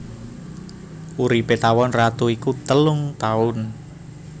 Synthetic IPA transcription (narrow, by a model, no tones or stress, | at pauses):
uɾipet̪awɔnrat̪uikut̪əlʊŋt̪aʊn